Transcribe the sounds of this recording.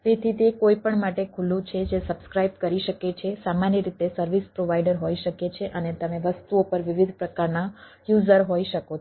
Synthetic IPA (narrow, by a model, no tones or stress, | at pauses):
pet̪ʰit̪ekoipəɳmaʈekʰulũt͡ʃʰed͡ʒesəbskɾajb̚kəɾiʃəket͡ʃʰesamanjəɾit̪esəɾʋispɾoʋaiɖəɾɦoiʃəket͡ʃʰeʔənet̪əmeʋəst̪uopəɾʋɪʋid̪ʱpɾəkaɾna | juzəɾɦoiʃəko